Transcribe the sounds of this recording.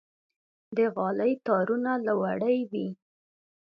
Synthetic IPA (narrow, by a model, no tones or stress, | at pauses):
d̪əɣɑləjt̪ɑɾunalawaɽəjwi